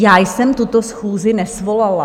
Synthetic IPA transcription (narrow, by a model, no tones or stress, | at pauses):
jaːjsɛmt̪ut̪osxuːzɪnɛsvo̞lala